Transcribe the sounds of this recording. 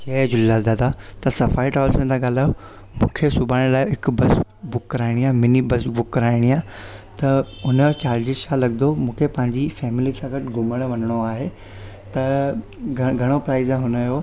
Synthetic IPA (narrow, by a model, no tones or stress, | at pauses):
t͡ɕeːd͡ʑʊlːad̪aːd̪at̪ɐsɐfaːiʈaːʋlsẽt̪ʰãɠaːl̤aːjo | mũːkʰesʊbʱaːɽ̃laːɪɦɪkbɐs | bʊkːɐɾaːɪɽ̃iaːmɪnibɐsbʊkːɐɾaːɪɽ̃iaːt̪ɐʊnət͡ɕaːɾd͡ʑɪzsãlɐɠd̪omũːkʰepɐ̃ɦɪ̃ɲd͡ʑifɛːmɪlisãːɡɐʈʰɪɡʱʊməɽ̃ʋɐnəɽ̃oaːɦe | t̪ɐ | ɡʱɐɽ̃opɾaːɪzãɦʊnəjo